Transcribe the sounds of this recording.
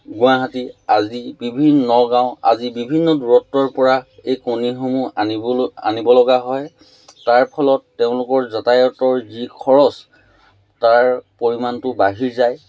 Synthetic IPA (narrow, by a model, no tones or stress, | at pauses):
ɡʊaɦatiazibibʱinːɔɡãʊ̃a̰zibibʱinːɔduɹɔtːɔɹpɔɹaejkonixomuaa̰nibɔlɔɡaɦɔj | taɹpʰɔlɔtːeʊ̃lʊkɔɹzɔtajɔtɔɹzikʰɔɹɔs | taɹpoɹimantʊbaɦiɹzaj